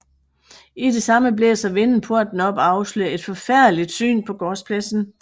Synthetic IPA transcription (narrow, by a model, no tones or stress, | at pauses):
id̥e̝sɑ̈məbleɐsɒ̽ʋenn̩pʰo̝ɐ̰d̥n̩ɒ̽b̥ɑ̈ʊsløe̝d̥fɒ̽fæɐ̰dlid̥sy̰ːnpʰɒ̽ɡ̥ɒːspʰlæsn̩